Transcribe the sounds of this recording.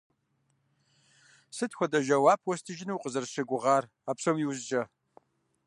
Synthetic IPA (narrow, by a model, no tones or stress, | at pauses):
sɨtʰxʷɔdɐʒɐwaːpʰwɔstʰɨʒɪnɨwqʼəzɐrʂɨɡʷʊʁaːr | aːpsomjiwzd͡ʒʼɐ